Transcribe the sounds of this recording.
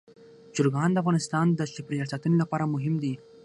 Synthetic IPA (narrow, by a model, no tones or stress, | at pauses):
d͡ʒʊɾɡɑnd̪əafɣɑnɪst̪ɑnd̪əʃɪpɾijɑsat̪unolapɑɾamʊɦɪmd̪i